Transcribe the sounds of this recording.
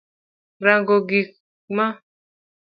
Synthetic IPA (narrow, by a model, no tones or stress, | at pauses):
ɾaŋɡoɡi | mã